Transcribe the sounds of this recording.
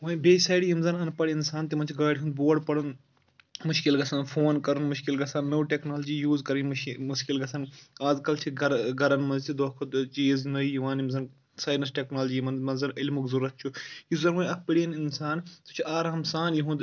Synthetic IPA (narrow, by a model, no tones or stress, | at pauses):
ʋɐjbeːsɐːɽijimzɐnɦɐnpɐɽiinsaːnt̪imɐnt͡ʃʰiɡaːɽʲiɦũnd̪̚boːɖpɐɽun | mʊʃkilɡɐsaːnfʰoːnkɐɾunmuʃkilɡɐsanːoːʈeknaːlɐd͡ʒiːjuːzkɐɾinmuʃkilɡɐsɐnaːzkɐlt͡ʃʰiɡɐɾɡɐɾɐnmɐnzt̪ʰid̪oːkʰot̪t͡ʃiːznoijiʋaːnimzɐn | saːnɐsʈeknaːlɐd͡ʒiːmɐnmɐnzɐnilmuɡzuɾɐt̪̚t͡ʃʰujizɐnʋɐɐk̚piɽijɐninsaːnt̪u̥t͡ʃʰuaːɾɦɐmsaːnjiɦũnd̪